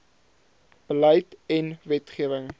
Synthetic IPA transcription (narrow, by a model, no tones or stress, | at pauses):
b̥ələjtɛnvɛtχiəvəŋ